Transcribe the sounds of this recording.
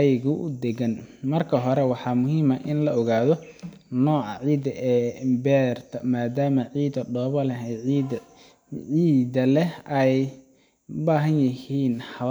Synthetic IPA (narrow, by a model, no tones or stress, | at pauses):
ɛjɣʊʔʊ̰d̪ɛɣɐnmɐrkʰɐɦɔɾɛwɑħɑːmʊɦiːmɐʔɪnlɐɔɣaːðɔ | nɔːʕɑ̰ʕiːd̪ɐʔɛːbɛːrt̪ʰɐmaːd̪aːmɐʕiːd̪ɐɖɔːβɐlɛɦɛjʕiː | ʕiːd̪ɐlɛɛj | ʊbaːɦɐnjɪhiːnhɑ